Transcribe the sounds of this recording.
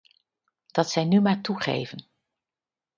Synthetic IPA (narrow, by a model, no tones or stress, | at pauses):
d̥ɑtsɛjnymaːɹtuχḛjvən